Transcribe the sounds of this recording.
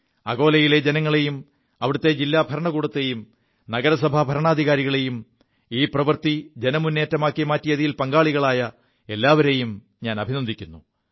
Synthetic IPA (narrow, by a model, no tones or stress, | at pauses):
ɐɣo̞ːlɐjile̞d͡ʑenɐŋːɐɭe̞jum | ɐʋiɽut̪ːe̞d͡ʑilːaːbʱɐɾɐɳɐɣuːɽɐt̪ːe̞jum | nɐɣɐɾɐs̬ɐbʱabʱɐɾɐɳaːd̪ʱiɣaːɾiɣɐɭe̞jum | iːprɐʋɐrt̪id͡ʑe̞nɐmunːeːtːɐmaːkːimaːtːijɐðijilpɐŋɡaːɭiɣɐɭaːjɐ | e̞lːaːʋɐɾe̞jum | ɲaːnɐbʱinɐnd̪ikʲːunːu